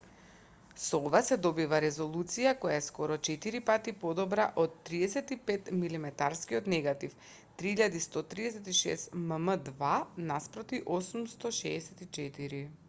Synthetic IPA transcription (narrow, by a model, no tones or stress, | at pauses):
sɔɔvasɛd̪ɔbivaɾɛzɔlˠut̪sijakɔjaɛskɔɾɔt͡ʃɛt̪iɾipat̪ipɔd̪ɔbɾaʔot̪ːɾiɛsɛt̪ipɛt̪milimɛt̪aɾskiɔt̪nɛɡat̪if | t̪ɾiiʎad̪ist̪ɔt̪ɾiɛsɛt̪iʃɛ̰st̪məməd̪vanaspɾɔt̪iʔɔsumst̪ɔʃɛːsɛt̪it͡ʃɛt̪iɾi